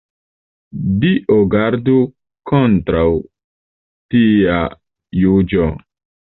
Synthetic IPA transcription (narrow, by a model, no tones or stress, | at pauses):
diʔoɡaɾdu | kontɾaw | tia | jud͡ʒo